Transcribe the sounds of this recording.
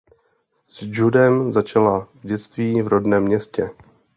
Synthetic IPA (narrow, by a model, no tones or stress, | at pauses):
z̥d͡ʒudɛmzat͡ʃalavɟɛt͡st̪viːvɾodnɛːmːɲɛscɛ